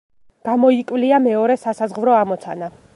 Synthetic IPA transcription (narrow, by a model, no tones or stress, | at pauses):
ɡ̥amɔikʼvliamɛɔɾɛsasazʁvɾɔamɔt̪sʰa̰na